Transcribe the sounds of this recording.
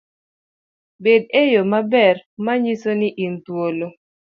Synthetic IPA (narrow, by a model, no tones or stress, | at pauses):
bed̚ejomabɛrmaɲisonɪʔint̪wolo